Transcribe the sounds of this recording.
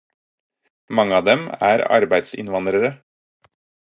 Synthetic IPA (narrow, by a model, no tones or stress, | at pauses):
mɑŋːəɑːd̪ɛmæ̰ːɾɑ̰ɾbæɪd̪sɪ̰nʋɑnd̪ɾəɾə